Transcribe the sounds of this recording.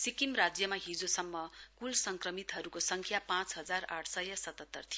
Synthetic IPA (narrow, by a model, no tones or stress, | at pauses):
sikimrad͡zjʌmaɦid͡zosʌmːʌkulsʌŋkrʌmit̪ɦʌɾukosʌŋkʰjapãt͡sɦʌd͡zaraʈʰsʌjʌsʌt̪ʌt̪ːʌrt̪ʰi